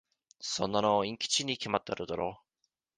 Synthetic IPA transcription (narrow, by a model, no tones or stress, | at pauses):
sõ̞nːanoĩŋkʲi̥t͡ɕiɲ̟ikʲemat̪ːeaɾɯ̟d̪aɾoː